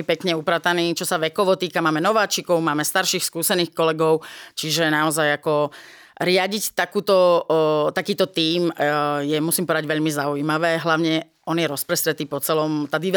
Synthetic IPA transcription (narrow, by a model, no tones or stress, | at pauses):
ipɛkɲɛupɾat̪aniːt͡ʃɔsaʋɛkɔʋɔt̪iːkamaːmɛnɔʋaːt͡ʃikɔʊmaːmɛst̪aɾʃiːxskuːsɛniːxkɔlɛɡɔʊt͡ʃiʒɛnaɔzajakɔ | ɾɪaɟict̪akuːt̪ɔt̪akiːt̪ɔt̪iːmjɛmusiːmpɔʋɛd̪aɟʋɛʎmizaujiːmaʋɛːɦlaʊɲɛ | ɔnjɛɾɔspɾɛst̪ɾɛt̪iːpɔt͡sɛlɔmt̪ad̪i